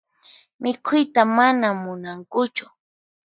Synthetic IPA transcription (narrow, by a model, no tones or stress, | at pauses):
mɪkʰʊjt̪amanamʊnaŋkʊt͡ʃʊ̥